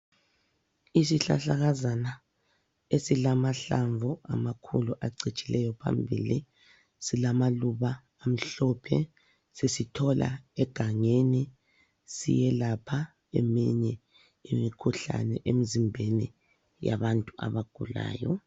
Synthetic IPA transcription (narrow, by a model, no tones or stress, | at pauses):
isiɬa̰ɬaɣazana | esilamaɬaɱvɔa̰makʰuluʔaǀit͡ʃʼilɛjɔpʰa̰mbʱḭli | silamaluβaː | m̩ɬɔpʰɛ̰ | sesitʰɔlʔa̰ɛɡ̥ʱaŋeni | sḭjɛlapʰa | emiɲɛ | imikʰuɬa̰nɛ̰ʔemizimbʱenḭ | ja̰βantʼuʔa̰βaɡ̥ʱula̰ːjɔ̰